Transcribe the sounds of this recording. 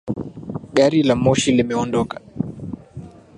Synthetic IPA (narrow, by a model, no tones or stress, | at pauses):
ɠaɾilamɔʃilimɛɔndɔkḁ